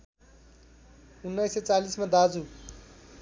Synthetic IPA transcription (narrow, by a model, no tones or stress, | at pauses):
unːajset͡salismad̪ad͡zu